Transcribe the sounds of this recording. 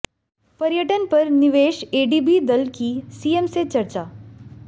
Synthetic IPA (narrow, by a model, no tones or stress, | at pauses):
pɐɾjəʈənpɐɾnɪʋeːʃeːɖiːbid̪ɐlkisiːemset͡ʃɐɾt͡ʃaː